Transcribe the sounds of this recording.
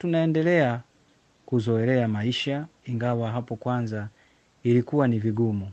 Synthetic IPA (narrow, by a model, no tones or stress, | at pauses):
tunaɛndɛlɛa | kuzɔɛlɛamaiʃaiŋɡawaɦapɔkwanza | ilikuwaniviɡumu